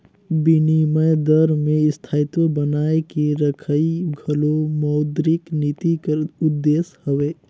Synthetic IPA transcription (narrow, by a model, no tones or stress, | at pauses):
bɪniməjd̪əɾmẽɪst̪ʰaːit̪jõbənaːekiɾəkʰəiɡʱɐlomɔʊd̪ɾɪknit̪ikʊd̪ːeːshəʋeː